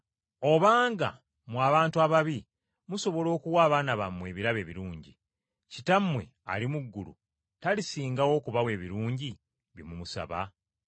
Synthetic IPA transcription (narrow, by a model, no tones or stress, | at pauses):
o̞βaːŋɡa̰ | mwaβaːntuaβaβi | muso̞βo̞lo̞ːkuwaːβaːnaβamːwe̞ːβiɾaβe̞ːβiɾuːɲɟḭ | citamːwe̞a̰limuɡːulṵ | talisiːŋɡawo̞ːkuβawe̞ːβiɾuːɲɟi | βimumusa̰βa̰